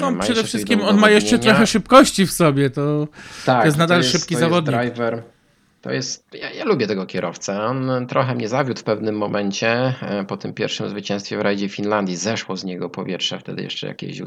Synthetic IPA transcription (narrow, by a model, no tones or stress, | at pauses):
nɔmʂʂɛd̪ɛfʂɘskʲimɔnmajɛʂt͡ʂɛt̪ɾɔxɛʂɘpkɔɕt͡ɕifsɔbʲjɛt̪ɔt̪ajɛst̪nad̪alʂɘpkʲizavɔd̪̚ɲɲajvɛɾ | t̪ːɔ̰jɛst̪jajalubʲjɛt̪ɛɡɔkʲɛɾɔft̪sɛɔnt̪ɾɔxɛmɲɛzavʲjut̪fpɛvnɘmːɔmʔɛɲt͡ɕɛpɔt̪ɘmpʲjɛ̰ɾfʂɘmzvɘt͡ɕɛ̃st̪fʲjɛvɾajd͡ʑɛfʲinland̪jizɛʂwɔzɲɛɡɔpɔ̰vʲjɛtʂɛft̪ɛ̰d̪ɘ̰jɛ̰ʂt͡ʂɛ̰ja̰kʲɛ̰ɕṵ